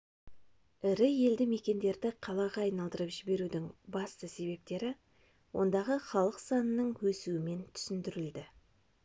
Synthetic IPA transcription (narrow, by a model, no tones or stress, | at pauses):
ɪɾɪje̞ld̪ɪme̞kʲe̞nd̪e̞ɾd̪ɪqʰɑlˠɑʁɑːjnɑlˠd̪əɾəpʒɪbe̞ɾud̪ɪŋbɑst̪əse̞βe̞p̚t̪e̞ɾɪ | wo̞̰nd̪ɑʁəχɑlˠəqsɑnənəɴwɵsuɪme̞nt̪ʰʏ̥sɪnd̪ɪɾɪld̪ɪ